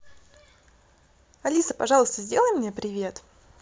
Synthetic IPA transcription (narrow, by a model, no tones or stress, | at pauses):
ɐlʲisəpɐʐɑlˠəst̪əzʲdʲelˠəjmnʲepɾʲɪvʲe̞t̪